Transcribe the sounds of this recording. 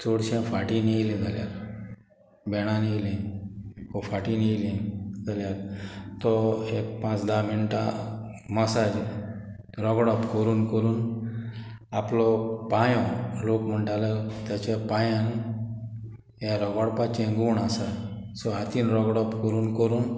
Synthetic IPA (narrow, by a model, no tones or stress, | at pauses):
t͡soɽɕẽfaʈinilĩd͡zʱaljaɾ | bɛɽ̃aniilĩ | kɔfaʈiniilĩɡaljat̪t̪ɔek̚pãt͡sd̪aminʈa̰məsad͡ʑ | ɾɔɡɽɔpkəɾuːnkəɾuːn | aplɔpajɔ̃lokm̤əɳʈalat̪jat͡ɕapãjãn | jaɾɔɡɔɽpat͡ɕẽɡuːɳasa | sɔat̪iːnɾɔɡɽɔpkəɾuːnkəɾuːn